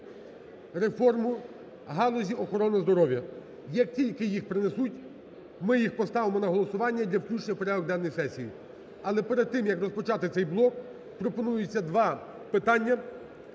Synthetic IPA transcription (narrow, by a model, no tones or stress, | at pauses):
refɔrmʊ | ɦɑlˠɔzʲiɔxɔɾɔnɐzd̪ɔɾɔʋʲjɐ | jɐk̚tʲilʲkɪjixpɾɪnesutʲ | mɪjixpɔst̪ɑʋɪmɔnɐɦɔlˠɔsʊʋɑnʲːɐdʲlʲɐwklʲut͡ʃnʲɐwpɔɾʲaʋɔɡd̪ɛnːɔjsɛsʲiji | ɐlˠɛpeɾed̪̚t̪ɪmjɐkrɔspɔt͡ʃɑt̪ɪt̪sɛjblˠɔk | pɾɔpɔnujʊt͡sʲːɐd̪ʋɑ | pɪt̪ɑnʲːɐ